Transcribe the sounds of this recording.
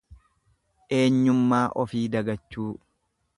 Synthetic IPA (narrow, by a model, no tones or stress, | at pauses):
ʔe̞ːɲːʊmːaːʔɔfiːd̪ɐɡɐt͡ʃːuː